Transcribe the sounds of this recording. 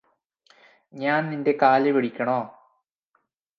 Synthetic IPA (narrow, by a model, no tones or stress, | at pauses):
ɲaːnninde̞kaːleʋeɽikʲːɐɳoː